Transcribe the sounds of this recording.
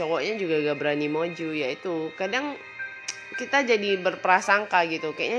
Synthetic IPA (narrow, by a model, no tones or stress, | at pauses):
ɔkɔʔɲad͡ʒuɡaɡabɾanimod͡ʒujait̪ukadaŋ | kit̪ad͡ʒadibərpəɾasaŋkaɡit̪ukaja̰ʔɲa